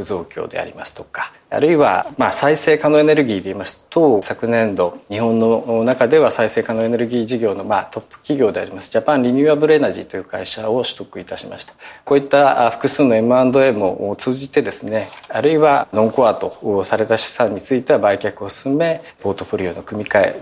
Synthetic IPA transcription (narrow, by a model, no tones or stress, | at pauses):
ɯzo̞ːkʲo̞̰ːd̪e̞̰a̰ɾʲimasɨ̥t̪o̞kḁ | a̰ɾɯ̟iβa̰masaise̞ːkano̞e̞ne̞ɾɯ̟ɡʲiːd̪e̞imasɨ̥t̪o̞sakɯ̟nẽ̞nd̪o̞ɲ̟ihõ̞nːo̞nakad̪e̞βasaise̞ːkano̞ene̞ɾɯ̟ɡʲiːʑiɡʲo̞ːnomat̪o̞pːɯ̥kʲiɡʲo̞ːd̪e̞aɾʲimasɨ̥ʑapãñɾʲiɲʲɨːabɯ̟ɾe̞naʑḭt̪o̞jɯ̟ːkaiɕao̞ɕi̥t̪o̞kɯ̟it̪aɕima̰ɕi̥t̪ako̞ːit̪ːaɸɯ̟̥kɯ̟sɨːno̞e̞mɯ̟ãnd̪o̞e̞mo̞ʔt͡sɨːʑit̪e̞d̪e̞sɨne̞aɾɯ̟iβanõ̞ŋko̞at̪o̞saɾe̞t̪aɕi̥sãɲ̟ːit͡sɨit̪e̞βabaikʲakɯ̟o̞sɨ̥sɨme̞ | po̞ːt̪o̞ɸo̞ɾʲiono̞kɯ̟mʲikae̞̰